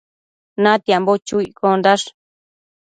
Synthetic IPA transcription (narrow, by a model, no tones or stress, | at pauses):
nãt̪embot͡ʃuikond̪aʂ